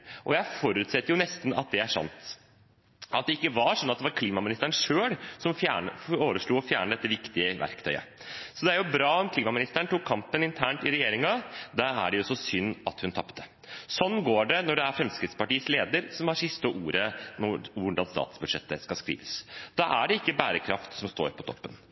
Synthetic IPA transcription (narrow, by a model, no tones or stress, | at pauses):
ʔɔjæɪfɔɾʉːt̪sɛt̪ːəɾjʊnɛst̪n̩ɑ̰t̪̚d̪ɛæʂɑ̰nt̪ | ʔɑt̪̚d̪ɛɪkːəʋɑɾʂɔnːɑt̪̚d̪ɛʋɑɾkʰliːmɑmɪnɪst̪əɳʂøːɽsɔmfjæ̰ːɳəoːʋəʂɭuːɔfjæːɳəd̪ɛt̪ːəʋɪkt̪ɪəʋʔæ̰ɾkt̪ʰœʏə̰ | sɔd̪ɛæɾjʊbɾɑːɔmkʰliːmɑmɪnɪst̪əɳʈ̪ukʰːɑmpənɪnt̪ʰæːɳʈɪɾɛjeːɾɪŋɑd̪æɾæ̰ɖɛjʊsɔsʏnːɑt̪hʉnt̪ʰɑpːt̪ə | sɔnːɡoːɖɛnɔɖɛæɾfɾɛmskɾɪt̪spɑʈiːəsleːd̪əɾsɔmɑsɪst̪əʔuːɾənɔʋʊɖɑnst̪ɑ̰ːt̪sbʉd̪ʂɛ̰t̪ːəskɑskɾḭːʋəsd̪̥ɑʔæɖɛɪkːəbæːɾəkʰɾɑft̪sɔmst̪o̰ːɾpʰɔt̪ʰɔ̰pːən